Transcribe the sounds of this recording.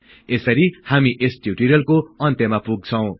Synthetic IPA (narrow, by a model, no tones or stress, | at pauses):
esʌɾihamiʔesʈjuʈiɾjʌlkoʌnt̪jʌmapuɡ̚t͡sʰʌw̃